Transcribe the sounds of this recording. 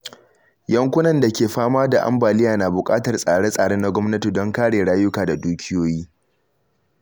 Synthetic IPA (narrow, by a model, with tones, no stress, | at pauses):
jɐ˦ŋkʷʊ˦nɐ˨nda˨kʲeː˨ɸaː˦maː˦da˨ʔa̰˦mbaː˨lɪ˦jaː˨na˨bʊ˨kʼa̰ː˦tɐ˨rsʼaː˨ɽe˦sʼaː˨ɽeː˦na˦ɡʷɔ˦mnɐ˦ti˨dɔ˦ŋkaː˦ɽeː˨ɽaː˦jʊ˦kaː˨da˨duː˦kʲʰɪ˦joː˦jiː˦